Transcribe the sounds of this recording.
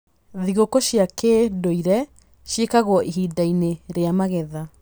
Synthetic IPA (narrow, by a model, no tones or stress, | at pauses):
ðiɣokɔɕjakeːdoiɾɛ | ɕjekaɣwɔʔiɦidaineɾeamaɣɛða